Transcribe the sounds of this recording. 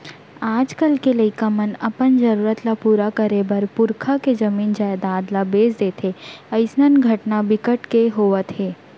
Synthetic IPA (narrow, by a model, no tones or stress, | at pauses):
aːd͡ʒkɐlkelɐikamənɐpənd͡ʒɐɾuːɾət̪lapuːɾakɐɾebɐɾpʊɾkʰaked͡ʒɐmiːnd͡ʒaːed̪aːd̪labeːzd̪eːt̪ʰeɐɪsnənɡʱɐʈnabɪkəʈkeɦoːʋət̪ɦeː